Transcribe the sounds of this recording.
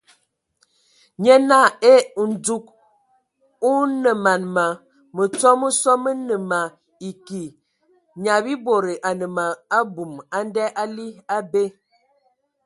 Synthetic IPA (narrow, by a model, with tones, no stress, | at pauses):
ɲɛ˦na˦˨e˦˨n̩˨d͡zu˦k̚ | u˦nə˨ma˨nma˨ | mə˨t͡sɔ˦mə˦sɔ˦mə˦nə˨ma˨ | i˨ki˨ | ɲa˨bi˦bo˨ɾe˨ʔa˨nə˨ma˨a˦bu˨ma˦n˦dɛ˦ʔa˦li˦a˦be˦